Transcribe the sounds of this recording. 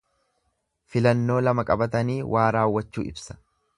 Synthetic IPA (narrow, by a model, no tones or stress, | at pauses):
fɪlɐnːo̞ːlɐmɐkʼɐbɐt̪ɐniːwʔaːɾaːwːɐt͡ʃːṵːʔɪ̰bsɐ̥